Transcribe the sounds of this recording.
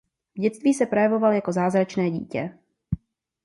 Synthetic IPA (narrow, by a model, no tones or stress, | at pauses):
vɟɛt͡st̪viːsɛpɾojɛvo̞valjako̞zaːzɾat͡ʃnɛːɟḭːcɛ